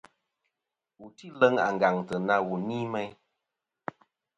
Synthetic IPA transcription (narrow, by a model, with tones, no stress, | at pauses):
u˨ti˦˨lə˦ŋa̰˨ŋ˨ɡa˨ŋtə˨na˧wu˨niː˦mɛ˦j